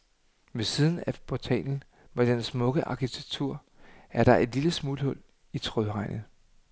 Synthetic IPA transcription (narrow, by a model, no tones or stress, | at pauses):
me̝siːð̞ˠn̩æpʰɒt͡sʰɛ̰ːnn̩ | med̥ensmɔ̽ɡ̥əʔɑ̈kʰit͡sʰeɡ̥t͡sʰuɐ̰ | æɐd̥ɾ̥ɑ̈ʔe̝d̥liləsmuːlhɔ̽l̰ | it͡sʰʁœðˠʁɑ̈ɪnð̩ˠ